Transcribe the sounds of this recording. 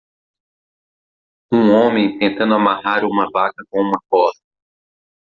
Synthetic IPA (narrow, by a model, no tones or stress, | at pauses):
ũõmẽj̃t̪ẽnt̪ɐ̃nd̪ʊamaɦaɾũmɐvakɐkõũmɐkɔst̪ɐ